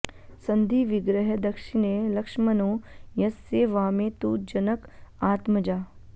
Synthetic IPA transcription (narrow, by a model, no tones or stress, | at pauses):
sɐnd̪ʱiːʋɪɡɾəɦɐd̪ɐkʃɪnelɐkʂmɐnoːjɐsːeːʋaːmẽːt̪uːd͡ʒɐnəkaːt̪mɐd͡ʒaː